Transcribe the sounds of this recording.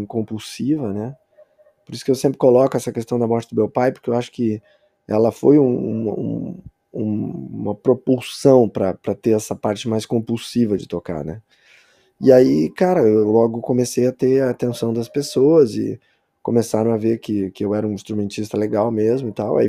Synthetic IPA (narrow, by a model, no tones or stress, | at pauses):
kõmpuwsivɐnɛ | poɾisʊ̥kɪewsẽmpɾɪkolɔkʊɛsɐkest̪ɐ̃w̃d̪ɐmɔɾʃɐd̪ʊmewpajpoɾkewaʃʊ̥kɪ | ɛ̰lɐfojũũmɐũ | ũmɐpɾopusɐ̃w̃pɾɐpɾɐt̪eɾɛsɐpaɾt͡ʃɪmajskõpuwsivɐd͡ʒɪt̪oka̰ɾnɛ | ɪaikaɾɐelɔɡʊkõmesejɐt̪eɐːt̪ẽsɐ̃w̃d̪ɐspesoɐzɪ̰ | komesaɾɐ̃w̃aveɾkɪkɪewɛɾɐũĩst̪ɾumẽnt͡ʃist̪ɐleɡawmezmʊit̪awa̰i